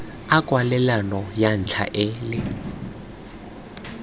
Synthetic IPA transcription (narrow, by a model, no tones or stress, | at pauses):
akʼwalɛlanɔjan̩t͡ɬʰa̰ʔɪːlɪ